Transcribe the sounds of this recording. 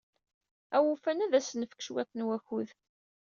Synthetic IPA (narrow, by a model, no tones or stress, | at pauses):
æwufænæðæsənəfə̥kːə̥ʃwet̪ˤːnwæçuð